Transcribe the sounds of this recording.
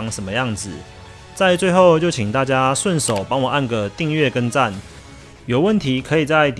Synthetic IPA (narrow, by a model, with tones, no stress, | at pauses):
ŋʂə˨nmə˦jɑ˥˩ŋd͡z̩˨˩ | t͡sa˥˧ɪt͡swe˥˧ɪxo˥˧ʊt͡ɕjo˥˩ʊt͡ɕʰi˨˩ŋt̪a˥˩t͡ɕja˦ʂwə˥˨nʂo˨˩ʊpɑ˥ŋwɔ˨˩a˥˩nɡə˩t̪i˥˧ŋɥɛ˥˩kə˦˥nt͡sa˥˩n | jo˨˩ʊwə˥˨nt̪ʰi˨˦kʰɤ˨˧˦i˨˩t͡sa˥˩ɪt̪